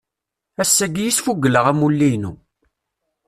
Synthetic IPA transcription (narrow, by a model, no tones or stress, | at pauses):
æsːæɡjisfuɡːələʁæmulːijnu